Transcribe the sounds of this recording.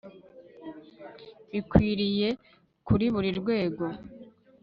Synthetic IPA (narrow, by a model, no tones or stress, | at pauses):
βikwiːɾije̞ | kuɾiβuɾiɾɡwe̞ːɡo̞